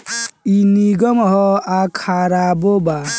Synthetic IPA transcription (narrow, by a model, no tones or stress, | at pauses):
iniɡɔmɦɔakʰaɾaboba